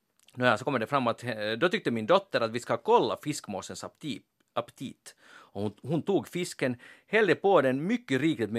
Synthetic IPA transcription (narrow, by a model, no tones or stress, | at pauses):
næsɔkʰɔmːəɖɛfɾamːat̪ɛd̪ɔt̪ʏk̚t̪əmɪnd̪ɔt̪ːəɾat̪vɪskakʰɔlːa̰fɪskmoːsəns | apt̪ʰiːt̪ | ɔhhʊnt̪uːɡfɪskənhɛld̪əpod̪ɛnmʏkːəɾiːklɪt̪mɛ